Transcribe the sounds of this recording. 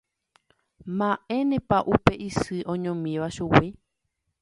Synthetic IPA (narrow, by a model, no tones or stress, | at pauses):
mãʔẽ̞nẽpaʔupeʔisɨʔõɲõmĩʋaʃuwi